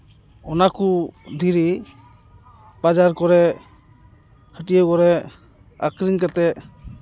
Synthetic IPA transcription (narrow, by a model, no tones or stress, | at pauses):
ɔnakud̪ʱiɾi | b̥ad͡ʒaɾkɔɾɛ | həʈijəkɔɾɛ | a̰kɾiɲkat̪ɛ